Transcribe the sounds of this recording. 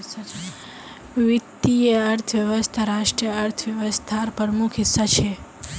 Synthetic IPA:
ʋit̪ːieəɾt̪ʰʋjəʋəst̪ʰaɾaʃʈɾijəəɾt̪ʰəʋjəʋəst̪ʰaɾpəɾmukʰisːat͡ʃʰe

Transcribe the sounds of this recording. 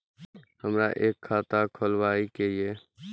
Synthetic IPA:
həmɾa̰ʔeːkʰːaːt̪akʰolwaːikeieː

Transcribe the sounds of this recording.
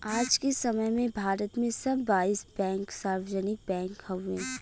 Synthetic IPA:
aːd͡ʒkesɐməjmẽbʱaːɾət̪mẽsɐbːaːisbɛ̃ːŋksaːɾʋəd͡ʒənɪk̚bɛ̃ːŋkhəuẽː

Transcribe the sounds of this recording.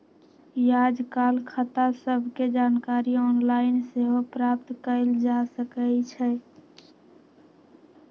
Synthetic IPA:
jaːd͡ʒkaːlkʰat̪asəbʱked͡ʒaːnkaːɾiɔːnlaɪnseɦopɾap̚t̪kəld͡ʒasəkət͡ʃʰɛ

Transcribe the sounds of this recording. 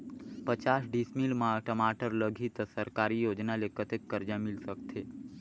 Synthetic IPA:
pət͡ʃasɖismilmãʈəmaʈəɾləɡʱit̪səɾkaɾijod͡ʒnalekət̪ekːəɾd͡ʒamilsəkt̪ʰe

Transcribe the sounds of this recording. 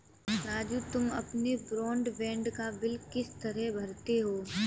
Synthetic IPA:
ɾaːd͡ʒuːt̪ʊmɐpnebɾɔ̃ːɳɖʋẽːɳɖkabɪlkɪst̪ɐɾɛɦbʱɐɾt̪eɦoː

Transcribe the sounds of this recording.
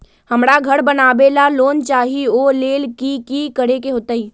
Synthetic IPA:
həmɽaɡʱəɽbənabelaloːnt͡ʃaːɦioleːlkikikəɾekeɦoːt̪əiː

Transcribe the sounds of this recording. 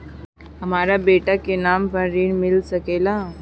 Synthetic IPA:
ɦɐmaːɾabeːʈakenaːmpəɾːiːɽmɪlsəkeːla

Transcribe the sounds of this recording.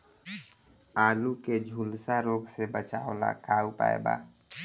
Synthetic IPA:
aːluked͡ʒʱuːlsaɾoːɡsebət͡ʃaːo̰la̰kʰaːupa̰ːḛba̰ː

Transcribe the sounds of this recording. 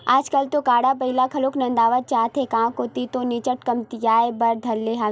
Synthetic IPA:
aːd͡ʒkəlt̪okaːɽap̬ɐɦɪlakʰɐloːknɐ̃nd̪aːʋəɾ̚t͡ʃaːt̪ʰɦekãːkot̪it̪onɪt͡ʃəʈkɐmt̪ijaːebɐɾd̪ʱɐɾːeɦã

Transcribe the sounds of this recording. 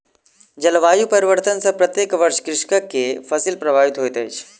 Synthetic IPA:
d͡ʒɐlʋaːjupɐɾiʋəɾt̪ənsɐpɾɐt̪jeːkʋəɾʃkɾɪʂkəkːefɐsilpɾɐbʱaːʋit̪ɦojt̪et͡ʃʰ

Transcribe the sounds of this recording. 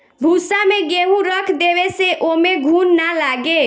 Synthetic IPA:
bʱusameɡeɦũɾəkʰd̪eβeseʔomeɡʱunːalaɡe

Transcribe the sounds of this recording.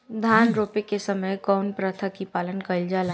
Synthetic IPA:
d̪ʱaːnɾoːpekesɐməjkɔʊnpɾɐt̪ʰakipaːlənkɐld͡ʒala

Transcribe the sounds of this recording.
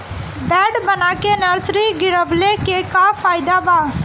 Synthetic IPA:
bɛːɖbənakenəɾsɾiɡɪɾəblekekafaːɪd̪abaː

